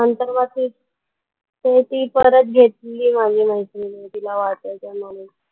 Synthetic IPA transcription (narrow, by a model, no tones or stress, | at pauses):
ənt̪əɾʋat̪iː | t̪et̪iːpəɾət̪̚ɡʱeʈ̪liːmad͡ʑʱiːməit̪inet̪ilaʋat̪əjt̪emani